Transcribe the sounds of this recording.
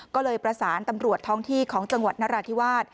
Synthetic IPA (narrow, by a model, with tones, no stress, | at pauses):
kɔː˥˩lɤː˧jpɾa˧saː˩˦nt̪a˧mɾu˨˩ət̪ʰːɔː˥˩ŋt̪ʰiː˥˩kʰɔː˩˦ŋt͡ɕa˧ŋwa˨˩t̪̚naː˦˥ɾaː˧t̪ʰi˦˥˩waː˥˩t̪̚